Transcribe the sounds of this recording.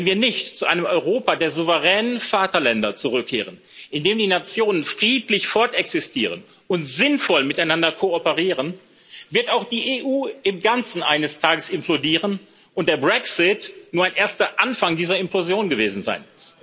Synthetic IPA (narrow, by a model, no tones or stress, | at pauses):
vɛnviːɐnɪçtt͡suʔaɪnəmɔʏʁoːpadeːɐzuvəʁɛːnənfaːtɐlɛndɐt͡suʁʏkʰːḛːʁ̞ən | ʔɪndeːmdiːnat͡sjoːnənfʁ̥iːtlɪçfɔɐtɛksɪstʰḭːʁ̞ə̰n | ʊntz̥ɪnfɔlmɪtaɪnandɐkʰoɔpəʁiːʁən | vɪɐtaʊxd̥iːʔeːʔuːɪmɡant͡sn̩ʔa̰ɪnəstʰaːɡəsɪmplodiːʁən | ʔʊnt̚d̥eːɐbʁɛksɪtnuːɐaɪnʔeːɐstɐʔanfaŋdiːzɐɪmplozjoːnɡəveːzn̩za̰ɪn